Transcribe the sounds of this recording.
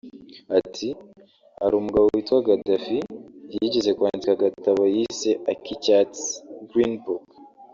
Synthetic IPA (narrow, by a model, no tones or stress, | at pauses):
atʰi | hhaɾuːmuɡaβowitwaɡadafijiɟeze̞kwaːnzikaɡataβajiseʔakicatt͡sɡɾinbuk